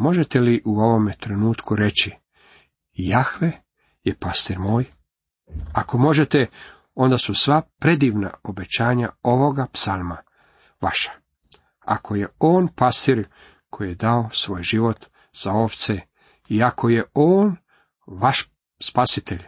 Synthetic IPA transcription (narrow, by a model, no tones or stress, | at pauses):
mo̞ʒet̪e̞liʔuo̞ʋo̞met̪ɾenuːt̪kuɾe̞t͡ɕi | jaxʋe | jepast̪iɾmoːj | ako̞mo̞ʒe̞t̪e | o̞nd̪asusʋapɾe̞d̪iːʋna̰obe̞t͡ɕaːɲa̰oʋo̞ɡapsalˠma̰ | ʋaʃḁ | a̰kʰo̞je̞oːnpast̪iɾ | kʰo̞jijed̪aosʋo̞ːjʒiʋo̞t̪ | z̥ao̞ʋt̪se | iakʰo̞je̞oːn | ʋaʃ | spasit̪eʎ